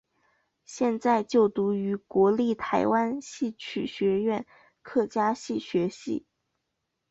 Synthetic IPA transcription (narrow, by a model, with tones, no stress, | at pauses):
ɕjɛ˥˧nt͡sa˥˧ɪt͡ɕjo˥˩ʊt̪u˧˥y˧˥kwɔ˧˥li˥˩t̪ʰa˧˥ɪwa˥nɕi˥˩t͡ɕʰy˥˨˩ɕɥɛ˧˥ɥɛ˥˧n | kʰɤ˥˩t͡ɕja˥ɕi˥˩ɕɥɛ˧˥ɕḭ˥˩